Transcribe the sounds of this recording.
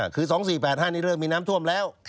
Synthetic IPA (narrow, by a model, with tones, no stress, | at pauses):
kʰɯː˧sɔː˩˦ŋs̬iː˨˩pɛː˨˩t̪̚haː˥˩niː˦˥˩ɾɤː˥˩ŋmiː˧naː˦˥mt̪ʰu˥˩əmlɛː˦˥wt̪ʰ